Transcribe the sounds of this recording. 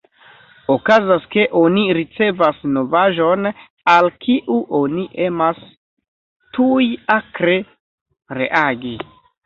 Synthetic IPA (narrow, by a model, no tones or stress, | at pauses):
okazaske̞ʔo̞niɾit͡se̞vasno̞vaʒo̞n | alkʰiʔuʔo̞niʔe̞mas | tujakɾe̞ | ɾe̞̰ʔaɡi